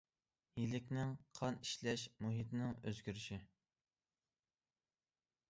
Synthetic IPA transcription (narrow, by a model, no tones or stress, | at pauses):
jilɪkʲnɪŋqʰɑniʃlɛʃmuɦit̪nɪŋø̰zɡʲyɾyʃi